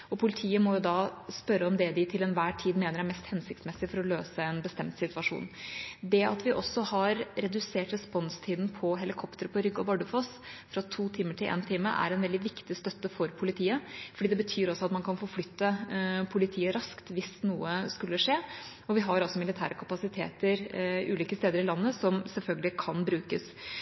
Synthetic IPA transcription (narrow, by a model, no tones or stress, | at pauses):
ɔpʰʊlɪt̪ʰiːəmɔjʊd̪ɑːspœɾəɔmd̪ɛd̪ɪt̪ʰɪlɛnʋæːʈʰiːd̪meːnəɾæɾmɛst̪hɛnsɪkt̪smɛsːɪfɔɾɔløːsəɛnbəst̪ɛmt̪sɪt̪ʋɑʂṵːnd̪ɛɑt̪ʋɪʔɔsːɔhɑɾɾɛd̪ʉseːʈɾɛspɔnst̪ʰiːd̪n̩pʰɔɦɛlɪkʰɔpt̪əɾpʰɔɾʏɡːɔbɑɖʉfɔsfɾɑt̪ʰuːt̪ʰiːməʈʰɪlʔḛːnt̪ʰɪmːə̰ʔæ̰ɾɛnʋɛld̪ɪʋɪkt̪ɪst̪œt̪ːəfɔɾpʰʊlɪt̪ʰiːəfɔɖiːd̪ɛbət̪ʰyːɾɔsɔɑt̪mɑnkʰɑnfɔɾflʏt̪ːəpʰʊlɪt̪ʰiːəɾɑskt̪ʋɪsnuːəskʉlːəʂeː | ɔʋɪɦɑɾɑsɔmɪlɪt̪ʰæ̰ːɾəkʰɑpɑsɪt̪ʰḛːt̪əɾʔʉ̰ːliːkəst̪eːd̪əɾɪlɑnːəsɔmsɛlfœlɡəlɪkʰɑnbɾʉːkəs